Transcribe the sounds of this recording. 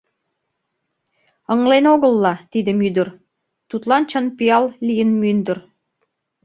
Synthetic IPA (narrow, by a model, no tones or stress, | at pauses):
əŋlenoɣəlˠːɑt̪id̪ə̆myd̪ə̆r | t̪ut̪lɑnt͡ɕənpiɑllijənmynd̪ə̆r